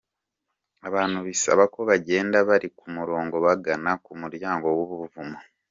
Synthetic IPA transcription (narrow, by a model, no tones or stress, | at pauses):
aβaːnuβisa̰βakoβaɟe̞ːndaβaɾikumuɾo̞ːŋɡo̞βaɡanakumuɾjaːŋɡo̞woβuβuvumo